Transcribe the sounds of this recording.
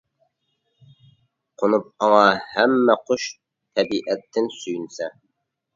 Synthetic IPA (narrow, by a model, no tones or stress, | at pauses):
qʰonup̚ɑŋɑhæmːɛqʰoʃ | t̪ʰɛbiʔɛt̪ʰːɪnsyjynsɛ